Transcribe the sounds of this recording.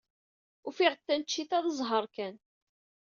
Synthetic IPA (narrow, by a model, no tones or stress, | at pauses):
ufiʁət̪ːænt͡ʃːiθæðəzˤɦəɾˤkæn